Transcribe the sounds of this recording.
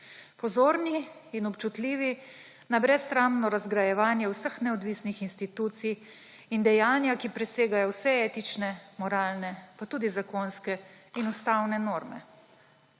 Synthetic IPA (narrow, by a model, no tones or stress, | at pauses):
pɔzoːɾniːnɔpt͡ʃut̪liːʋi | nabɾɛst̪ɾamnɔɾazɡɾajɛʋaːnjɛwsəxnɛɔd̪ʋiːsnixinst̪it̪uːt̪sij | ind̪ɛjaːnjakipɾɛseːɡajɔwsɛeːt̪it͡ʃnɛmɔɾaːlnɛpat̪uːd̪izakonskɛinust̪awnɛnoːɾmɛ̰